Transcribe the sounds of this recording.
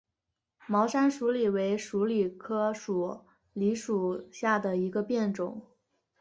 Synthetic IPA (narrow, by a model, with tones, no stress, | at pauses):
mɑ˧˥ʊʂa˥nʂu˧˥li˨˩we˧˥ɪʂu˧˥li˨˩kʰɤ˥ʂu˨˩ | li˧˥ʂu˨˩ɕja˥˩d̪ə˩i˧˥ɡə˧pjɛ˥˩nʈ͡ʂʊ˨˩˦ŋ